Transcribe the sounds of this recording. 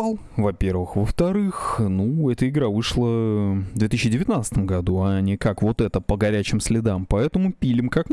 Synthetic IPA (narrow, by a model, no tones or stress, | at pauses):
lˠ | vɐpʲe̞rvɨxvəft̪ɐɾɨxnuɛt̪əɪɡɾavɨʂlˠəd̪vʲet̪ɨɕːɪdʲɪvʲɪt̪nat̪st̪əmɡɐd̪uɐnʲɪkakvot̪ɛt̪əpəɡɐɾʲæt͡ɕɪmsʲlʲɪd̪ampɐɛt̪əmʊpʲilʲɪmkak